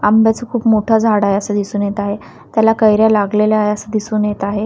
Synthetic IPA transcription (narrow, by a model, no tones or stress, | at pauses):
ambjat͡səkʰuːpmoʈʰad͡zʱaɽajəsad̪isuːnjet̪aɦe | t̪jalakəjɾjalaɡleljajəsəd̪isuːnjet̪aɦe